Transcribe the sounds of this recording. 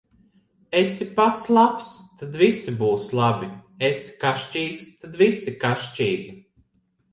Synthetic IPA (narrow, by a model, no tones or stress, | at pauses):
esipat̪slˠapst̪ad̪visibuːslˠabiesi̥kaʃt͡ʃiːkst̪ad̪visikaʃt͡ʃiːɡʲi